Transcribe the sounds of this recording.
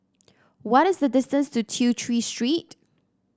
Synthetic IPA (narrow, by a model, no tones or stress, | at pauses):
wɔɾɪsðədɪstə̃nstutʰjutʰɹistɹit